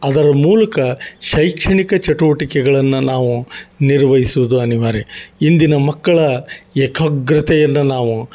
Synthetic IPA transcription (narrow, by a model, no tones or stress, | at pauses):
ɐd̪ɐɾɐmuːlɐkɐʃɐjkʂɐɳikɐt͡ʃɐʈuʋɐʈikɛɡɐɭɐnːunaːʋuniɾʋɐɦisuʋud̪uɐniʋaːɾeind̪inɐmɐkːɐɭɐɛkʰɐɡɾɐt̪ɛjɐnːunaːʋu